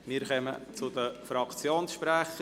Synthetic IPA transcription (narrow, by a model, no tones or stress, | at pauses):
miːɾkœmə̰t͡sʊd̪əfɾɑkt͡sjoːnsʃpɾæχ